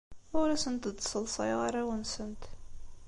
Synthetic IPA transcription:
ʊɾæsənt̪d̪sˤəlsˤɑ̰jʁaɾæwənsənt̪

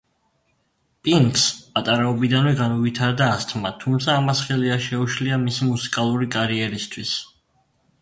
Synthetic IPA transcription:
pʼiŋkspʼat̪ʼaɾɛɔbid̪anvɛɡanɔvit̪ʰaɾd̪aːst̪ʰmat̪ʰumt̪sʰaːmasχɛliaʃɛuʃliamisimusi̥kʼalˠuɾikʼaɾiɛɾist̪ʰwis

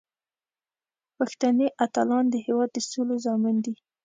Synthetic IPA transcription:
paxt̪aneʔat̪alɑnd̪əɦewɑd̪̚ːəsolozɑmɪnd̪i

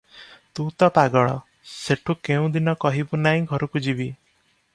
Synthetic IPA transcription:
t̪ut̪ɔpaɡɔɭ̃ɔ̰ | seʈʰukeũd̪inɔkɔɦibunaɦĩɡʱɔɾɔkud͡ʒibi

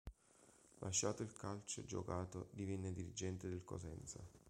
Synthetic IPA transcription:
lʔaʃːaːt̪oilkalt͡ʃḛd͡ʒo̰kaːt̪od̪ivɛnːed̪iɾid͡ʒɛnt̪ed̪ɪlko̰sɛnt̪sa̰

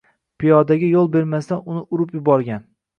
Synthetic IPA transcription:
pʰijɒd̪aɡʲɪjolˠbe̞ɾmast̪anʊnɪʊɾʊpjʊbɒɾɡʲan

